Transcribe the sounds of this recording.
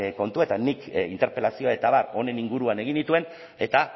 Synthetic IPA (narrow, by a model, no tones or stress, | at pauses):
ko̞nt̪uaet̪anːikḭnt̪e̞ɾpe̞lasio̞aet̪aβaro̞ne̞niŋɡuɾuane̞ɣ̞ind̪it̪ue̞n | e̞t̪a